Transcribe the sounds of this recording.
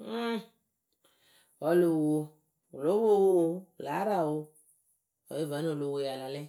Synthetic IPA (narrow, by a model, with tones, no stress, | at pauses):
wɔ˨˦lo˨wo˧ | o˨lo˨˦wo˦wo˦wo˦˨la˨˦ɾa˦wo˦˧ | ɔ̰˨je˦va˨˦n˦o˨lo˨wo˨ja˨la˨le˦